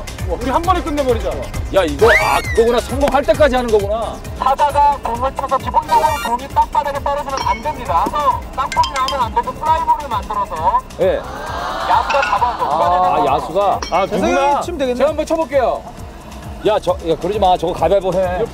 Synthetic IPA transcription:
ʌkuɾihanɡʌɾek͈ɯnːemʌɾid͡ʑiaojaiɡʌa̰ɡʌɡunasʰʌŋɡoŋɦʰaɭt͈aɭk͈ad͡ʑiɦanɯnɡʌɡuna | sʰadaɡatoŋɯɭtʰʌsʰʌkiboŋdaɾɯtoŋit͈ak̚t͈ʰadaɡet͈aɾɯd͡ʑimʌnandemɲidasʰʌk͈ak̚p͈ʰomiɾamʌnandes̬ʰʌpʰuɾaiboɾɯɯmandɯɾʌsʰʌ | je | jasʰuɡakabaɡoaeajasʰuɡaakʰeat͡ɕ͈ʰɯmdeɡenːeambʌt͡ɕʰʌbʌk͈e̞jo | jat͡ɕʌjakɯɾʌd͡ʑimat͡ɕʌɡʌkabjaɭbone

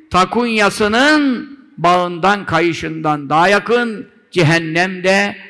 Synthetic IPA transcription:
t̪ʰɐkunjasɯnɯn | baɯnd̪ankʰajɯʃɯnd̪and̪aːjakɯn | d͡ʒɛɦɛnːɛmd̪ɛ

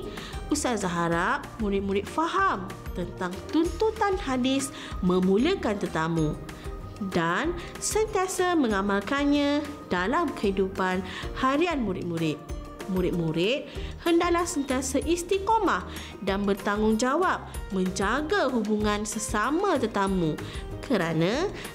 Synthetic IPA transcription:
usazaɦaɾat̚muɾɪt̪̚muɾɪt̪̚faɦam | t̪ənt̪aŋt̪unt̪ut̪anhadɪs | mə̃mũliakant̪ərt̪amũ | dan | sənt̪iasamə̃ŋamalkanɲãdalamkəhidupanhaɾianmuɾɪ̰t̪̚muɾɪt̪̚ | muɾɪt̪̚muɾɪt̪̚həndaʔlahsənt̪iasaʔist̪ikomah | danbərt̪aŋʊŋd͡ʒawap̚mə̃ɲd͡ʒaɡaɦubuŋãnsəsamãt̪ərt̪amũ | kʰəɾanã

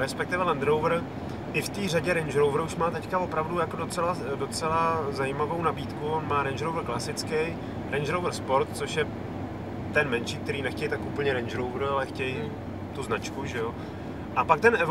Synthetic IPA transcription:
ɾɛspɛk̚t̪ɪvɛlɛnd̪ɾowvɾ̩ | ʔɪft̪iːraɟɛɾɛnd͡ʒɾowvɾuʃmaːt̪ɛckavo̞pɾavdujakodo̞t͡sɛlado̞t͡sɛlazajimavownabiːt̪kuonmaːɾɛnd͡ʒɾowvr̩klasɪt͡skɛj | ɾɛnd͡ʒɾowvr̩spoɾt̪t͡so̞ʃjɛ | t̪ɛnmɛnʃiːk̚t̪ɛɾiːnɛxcɛjt̪akʔupl̩ɲɛɾɛnd͡ʒɾowvɾalɛxcɛj | t̪uznat͡ʃkuʒɛjo | ʔapak̚t̪ɛnʔɛv

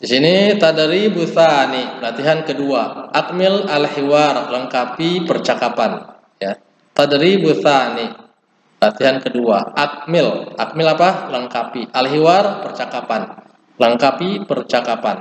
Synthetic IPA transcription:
disinit̪adəɾibuθanipəlat̪iɦankəduaak̚mɪlalhiwarləŋkapipərt͡ʃakapan | ja | t̪adəɾibuθani | plat̪iɦankədua̰ʔak̚mɪlak̚mɪlapaləŋkapiʔalɦiwarpərt͡ʃakapan | ləŋkapipərt͡ʃakapan

